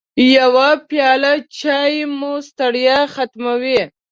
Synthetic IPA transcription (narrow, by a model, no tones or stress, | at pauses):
jawapjɑlat͡ʃɑjmust̪aɽjaxat̪mawi